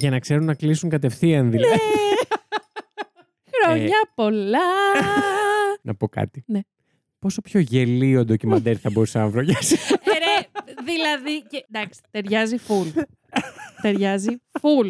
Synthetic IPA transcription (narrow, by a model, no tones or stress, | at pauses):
ʝɐnɐkse̞ɾunːɐklisuŋkɐt̪e̞fθiɐnðilɐ | xɾoɲɐpo̞lɐ | nʔɐ̰po̞kɐ̰t̪ine | po̞so̞pço̞ʝe̞liod̪ocimɐnd̪eɾθɐboɾusɐnɐvɾoʝɐsiɾeðilɐðiced̪ɐksi̥t̪e̞ɾʝɐziful | t̪e̞ɾʝɐziful